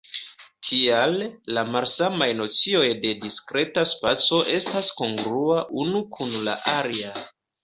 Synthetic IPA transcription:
tʰialːamalsamajno̞t͡sio̞jde̞diskɾe̞taspat͡so̞ʔe̞stasko̞ŋɡɾuaʔunukʰunla̰ʔaɾia

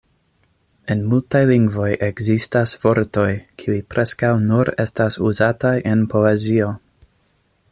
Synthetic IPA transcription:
e̞nmultajliŋɡvo̞jʔe̞ɡzistasv̥o̞ɾto̞jkʰiujpɾʔe̞skawnuɾe̞stasuzatajʔe̞npo̞e̞zio̞

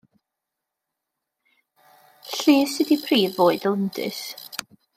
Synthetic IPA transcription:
ɬiːsɨdipʰriːvoːɨdlˠəndɨ̰s

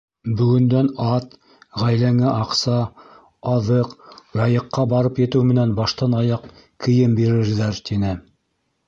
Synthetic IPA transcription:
bɵ̆ɡɵ̆nd̪ænɑt̪ | ʁæjlæŋɘʔɑqsɑ | ɑðɤqɾɑjɤ̆qːɑbɑɾɤpjɘ̆t̪ɘwmɘ̆nænbɑʃt̪ɑnɑjɑq | kʰɘ̆jɘmbiɾɘ̆ɾðæɾt̪inɘ

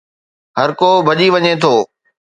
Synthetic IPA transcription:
ɦɐɾkobʱɐʄiʋɐɲet̪ʰoː

